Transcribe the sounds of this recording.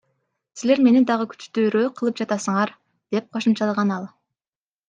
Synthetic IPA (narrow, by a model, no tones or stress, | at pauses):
sile̞ɾme̞nid̪ɑʁəkʰy̥t͡ʃt̪yɾøːqʰɯlˠɯp̚d͡ʒɑt̪ɑsɯɴɑɾ | d̪̥e̞p̚qʰo̞ʃɯmt͡ʃɑlˠɑʁɑnɑlˠ